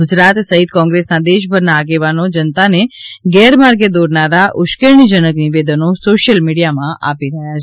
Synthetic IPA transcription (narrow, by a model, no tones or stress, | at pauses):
ɡʊd͡ʒɾat̪səɦit̪kɔ̃ŋɡɾesnad̪eʃbʱəɾnaːɡeʋanod͡ʒənt̪aneɡɛɾmaɾɡed̪oɾnaɾaʔʊʃkəɾɳ̃id͡ʒənəkniʋed̪ənosoʃjəlmiɽijamãʔa̰piɾəɦjat͡ʃʰ